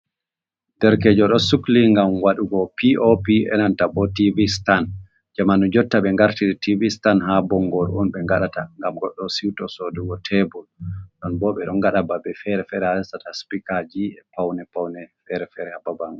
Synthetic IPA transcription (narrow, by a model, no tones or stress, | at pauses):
d̥ɛɾkɛd͡ʒɔɗɔsukliŋɡamwaɗuɡɔpiʔopiɛ̰nantabɔtivistan | d͡ʒamanud͡ʒɔtːaɓɛŋɡaɾtiɾitivistanɦabɔŋɡɔɾʔɔnɓɛŋɡaɗataŋɡamɡɔɗːɔsiwtɔsoduɡɔtʰɛbulɗɔnbɔɓɛɗɔnɡaɗababɛfɛɾɛfɛɾɛaɛstataspikad͡ʒiɛpawnɛpawnɛfɛɾɛfɛɾɛhababaŋɡɔ